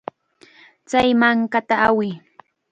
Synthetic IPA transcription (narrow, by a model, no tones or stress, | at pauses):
t͡sajmaŋkat̪aawɪ